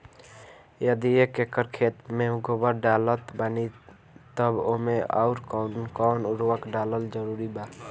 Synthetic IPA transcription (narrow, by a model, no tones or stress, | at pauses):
jəd̪iekekəɾkʰet̪meuɡobəɾɖalət̪bani | t̪əbomea̰ʊɾkːnkɔːnuɾʋəkɖaləld͡ʒəɾuɾiba